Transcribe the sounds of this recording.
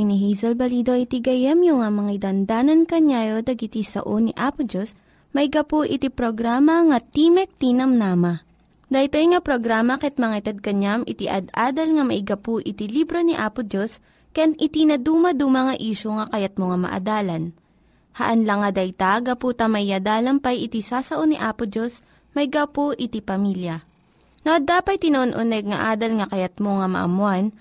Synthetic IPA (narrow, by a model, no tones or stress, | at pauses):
jniɦizɛlbɐliːd̪o̞ʔit̪iɡɐjɐmjʊŋamɐŋajd̪ɐnd̪aːnɐnkɐɲajod̪ɐɡɪt̪isɐ̰ʔoniʔaːpʊd͡ʒos | mɐɪɡɐpuʔɪt̪ipɾoɡɾaːmɐŋɐt̪imɛk̚t̪inɐmnaːmɐ | d̪ɐjt̪ojŋapɾoɡɾaːmɐkɛt̪̚mɐŋɐt̪ɐd̪̚kɐɲamʔɪt̪iʔɐ̰d̪ʔaːd̪ɐlŋɐmɐʔɪɡɐpuʔɪt̪ilibɾoniʔaːpʊd͡ʒos | kɐjanʔɪt̪inɐd̪uːmɐd̪uːmɐŋɐʔiːʃoŋɐkɐjat̪̚moŋɐmɐ̰ʔɐ̰d̪aːlɐn | hɐ̰ʔɐnlɐŋːɐd̪ɐjt̪aɡɐpuːt̪ɐmɐɪjɐd̪aːlɐmpɐjʔɪt̪isaːsɐʔoniʔaːpʊd͡ʒos | mɐɪɡapoʔɪt̪ipɐmiljɐ | nɐʔɐd̪aːpɐj̪̚t̪ɪnoʔonʔonɛɡ̚ŋɐʔaːd̪ɐlŋɐkɐjɐt̪̚moŋɐmɐ̰ʔɐ̰mʊan